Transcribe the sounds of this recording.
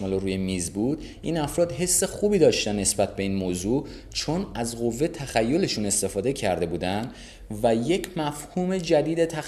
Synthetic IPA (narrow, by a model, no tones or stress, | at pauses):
ɒloɾuːjemiːzbuːd̪̥ | ʔiːnæfɾɒːd̪ɦe̞sːe̞xuːbiːd̪ɒːʃt̪ænːe̞sbæt̪ʰbe̞iːnmoːzuː | t͡ʃʰo̞næzɣo̞vːet̪ʰæxæjːo̞le̞ʃune̞st̪e̞fɒːd̪e̞cʰæɾd̪e̞buːd̪ænd̪ | væje̞cʰmæfhuːme̞d͡ʒæd̪iːd̪et̪ʰæ